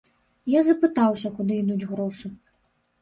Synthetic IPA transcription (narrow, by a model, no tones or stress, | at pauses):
jazɐpɨt̪awsʲɐkud̪ɨid̪ud͡zʲɣɾɔʂɨ